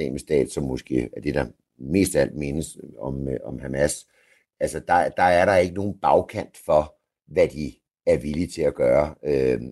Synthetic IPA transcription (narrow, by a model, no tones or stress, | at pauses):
ḛːməsd̥ɛ̰ːd̥sɒ̽mːosɡ̥e̝̰ːæɐd̥e̝d̥ɑ̈ | me̝̰ːsd̥æl̰d̥me̝nəsɒ̽mɒ̽mhæmæs | ælsəd̥ɑ̈d̥ɑ̈æɐɾɑ̈e̝ɡ̥əno̝ːn̩b̥ɑ̈ʊkʰæn̰d̥fɒ̽ | ʋæd̥i | æɐʋilit͡sʰe̝læɡ̥ɶːɐø